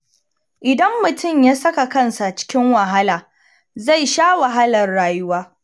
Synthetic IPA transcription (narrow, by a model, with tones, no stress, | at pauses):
ʔɪ˨dɐ˦mːʊ˨tʰʊ˦˨mjaː˦sɐ˦ka˨kɐ˦˨nsa˨t͡ʃɪ̥˦kʲɪ˦ŋwɐ˨ɦa˦laː˨ | za˦˨jʃaː˦wa˨ɦa˦lɐ˨rːaː˨jʊ˦waː˦